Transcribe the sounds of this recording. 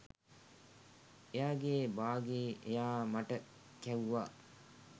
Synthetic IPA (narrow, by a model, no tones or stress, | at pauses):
ejaːɡeːbaːɡeːʔejaːmaʈə | kæuʋaː